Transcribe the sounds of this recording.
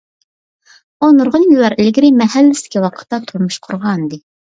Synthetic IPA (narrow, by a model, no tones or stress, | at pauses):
onuɾʁənjilːɑɾɪlɪɡʲɾɪmɛɦælːɪsɪ̥kʲiwɑqʰə̥t̪ːɑt̪ʰuɾmuʃqʰʊɾʁɑnɨd̪ɨ